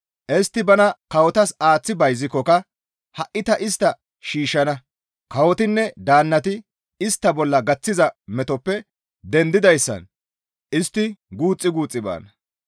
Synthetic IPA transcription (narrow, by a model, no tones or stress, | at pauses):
ʔɛst̪ːɪbɐnɐkɐwɔt̪ɐsaːt͡sːɪbɐjzɪkːɔkɐ | hɐʔɪt̪ɐʔɪst̪ːɐ | ʃiːʃːɐnɐ | kɐwɔt̪ɪnːɛd̪aːnːɐt̪ɪ | ɪst̪ːɐbɔlːɐɡɐt͡sːɪzɐmɛt̪ɔpːɛ | d̪ɛnd̪ɪd̪ɐjsːɐ̰n | ʔɪst̪ːɪɡuːt͡sʼːɪɡuːt͡sʼːɪba̰ːnɐ